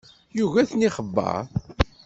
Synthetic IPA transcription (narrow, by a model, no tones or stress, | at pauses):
juʝæθniχəbːə̰ɾ